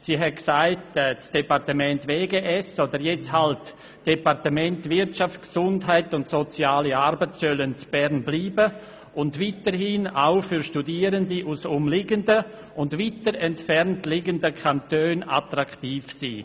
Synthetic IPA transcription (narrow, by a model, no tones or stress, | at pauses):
siːɦɛtksaɪtɛt͡sd̥epaɾtəmɛntveːɡeʔɛsoːdəɾjɛt͡shalt | d̥epaɾtəmɛntvɪɾtt͡ʃaft͡sksʊndɦaɪtʊntsot͡sjaːliaɾbət͡ssœlənt͡sb̥ɛɾnbliːbə | ʊndviːtəɾhiːna̰ʊfyɾʃtudiːəɾəndiʔusʊmlɪɡəndə | ʊndviːtəɾɛntfɛɾntlɪɡəndəkʰantøːna̰tɾaktiːfsiː